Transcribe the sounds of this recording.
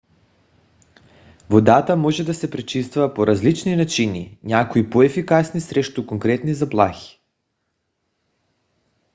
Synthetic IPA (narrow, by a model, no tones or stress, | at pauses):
vod̪at̪amɔʒɛd̪asɛpɾɛt͡ʃist̪vuvapoɾazlit͡ʃninat͡ʃinḭɲakoipoɛfikasnisɾɛʃt̪ukoŋkɾɛt̪nizaplˠaxi̥